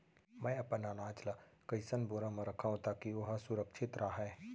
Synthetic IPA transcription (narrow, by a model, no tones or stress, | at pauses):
mɛ̃ːɐpənaːnãːt͡ʃlakɐɪsənboːɾãmə̃ɾɐkʰaːɦũt̪aːkioɦasʊɾəkʃɪt̪ɾʔaɦɛː